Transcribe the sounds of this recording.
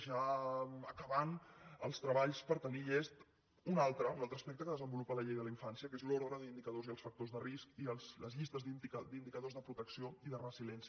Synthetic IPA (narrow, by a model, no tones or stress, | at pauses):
ʒaəkəβanəlˠst̪ɾəβaʎspəɾt̪əniʎest̪ | unalˠt̪ɾəunalˠt̪ɾəspɛk̚t̪əkəðəzəmbulupələʎejðələiɱfansijəkezlɔɾðɾəðind̪ikəðoziəlˠsfək̚t̪ozðəriskiəlsləzʎist̪əzðikd̪ind̪ikəðozðəpɾut̪əksioiðərəsilɛnsi